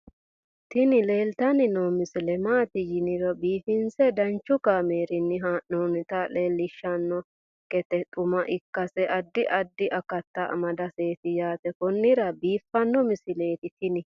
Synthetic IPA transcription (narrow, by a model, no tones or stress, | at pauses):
t̪ɪnɪleːlt̪ɐnɪnɔmɪsɪlɛmaːt̪ɪjɪnɪɾɔbiːfɪnsɛd̪ɐnt͡ʃːʊkameːɾɪnːɪɦaːʔnoːnɪt̪ɐle̞ːlːɪʃːɐnːɔ | kʼɛt̪ɛt̪ʼʊmɐʔɪkːɐsɛʔɐd̪ːɪʔɐd̪ːɪʔɐkɐt̪ːɐɐ̰mɐd̪ɐse̞ːt̪ɪjaːt̪ɛkɔnːɪɾɐbiːfːɐnːɔmɪsɪle̞ːt̪ɪt̪ɪnɪ